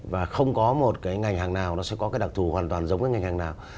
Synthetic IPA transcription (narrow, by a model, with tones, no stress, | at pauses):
vaː˨˩xə˧wŋ͡mkɔ˨˦mo˨˩t̚kaː˨˦jŋa˨˩jŋ̟ɦaː˨˩ŋnaː˨˩wnɔ˨˦sɛ̰˧˥kɔ˨˦kaː˨˦jɗa˨˩k̚t̪ʰu˨˩hwaː˨˩nt̪waː˨˩nzə˨˦ŋ͡mkaː˨˦jŋa˨˩ŋ̟haː˨˩naː˨˩w